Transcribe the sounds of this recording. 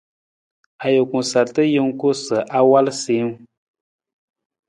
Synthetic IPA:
a˨jo˨ku˨sa˨ltə˦jə˦ŋ̩˦ko˦sə˨ʔa˦wa˦lse˨˦ŋ˦

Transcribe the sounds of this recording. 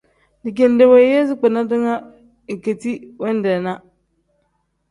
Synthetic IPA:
di˨k̬e˨n˦de˨we˨˦je˦zi˦k͡pɛ˨na˦dɨ˦ŋa˦ | i˨ke˨ti˦wɛ˦n˦dɛ˨na˦

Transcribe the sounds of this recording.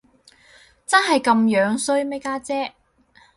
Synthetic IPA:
t͡sɐ˥nɦɐ˨jkɐ˧mjœː˨˥ŋsɵ˥ɥme˥kaː˥t͡sɛː˥

